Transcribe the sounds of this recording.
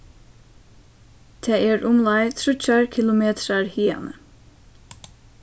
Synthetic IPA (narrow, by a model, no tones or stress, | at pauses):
t̪ʰeːʔeːɹʔʊmlɑɪt̪ʰɾʊt͡ʃɑɹkʰɪlʊmeːt̪ɹɑɹhiːɑ̰nə̰